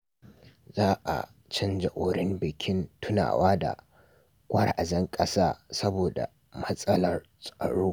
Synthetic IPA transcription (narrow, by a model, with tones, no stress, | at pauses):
zaː˦ʔa̰˨ | t͡ʃɪ˦nd͡ʒɐ˨ʔoː˨ɾɪ˦mbɪ˨kʲʰɪ˦ntʊ˦na̰ː˨wʔaː˦da̰˨ | kʷʼɐ˦rʔa˨zɐ˦ŋkʼɐ˦saː˦˨sɐ˦boː˨da̰˨ | mɐ˦sʼɐ˦lɐ˨r | sʼɐ̰˨ɽuː˦